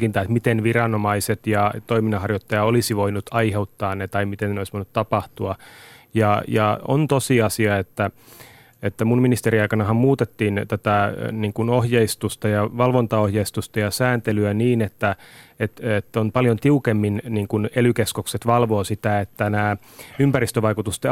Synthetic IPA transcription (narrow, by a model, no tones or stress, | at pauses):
kint̪ɑːt̪mit̪enʋirɑnomɑiset̪jɑt̪oiminːɑhɑrjot̪ːɑjɑolisiʋoinut̪ɑiheut̪ːɑːnnet̪ɑimit̪eneoisʋoinut̪tɑpɑht̪uɑjɑjɑo̰nt̪osiɑsiɑet̪ːæ | et̪ːæmunminist̪eɾiɑjkɑnɑɦɑmmuːt̪et̪ːiːnt̪æt̪æniːŋkunohjeist̪ust̪ɑjɑʋɑlʋont̪ɑohjeist̪ust̪ɑjɑsæːnt̪elyæniːnet̪ːæet̪et̪ːonpɑljont̪iukemːinniːŋkunelykeskokset̪ʋɑlʋoːsit̪æet̪ːænæː | ympærist̪øʋɑikut̪ust̪e